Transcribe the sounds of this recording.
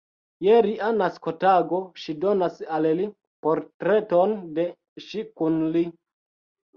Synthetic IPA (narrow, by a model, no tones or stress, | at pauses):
jeɾiʔanaskotaɡoʃido̞nasalli | poɾtɾeto̞nde | ʃikunli